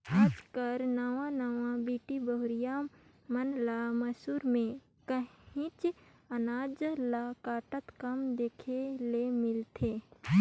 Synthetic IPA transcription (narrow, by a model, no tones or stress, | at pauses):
aːd͡ʒkəɾnaːʋãnaːʋãbiːʈibəɦʊɾija | mənlaməsuːɾmẽ | kəĩt͡ʃɐnaːd͡ʒlakaːʈət̪kɐmd̪eːkʰelemɪlt̪ʰeː